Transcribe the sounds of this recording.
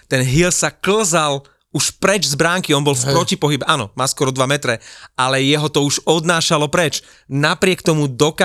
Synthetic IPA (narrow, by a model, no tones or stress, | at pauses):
t̪ɛnɦilsakl̩zal | uʃpɾɛd͡ʒzbɾaŋkiɔnbɔlfpɾɔcipɔɦibɛʔaːnɔ̰maːskɔɾɔd̪ʋamɛt̪ɾɛalɛjɛɦɔt̪ɔuʒɔd̪naːʃalɔpɾɛt͡ʃ | napɾɪɛkt̪ɔmud̪ɔka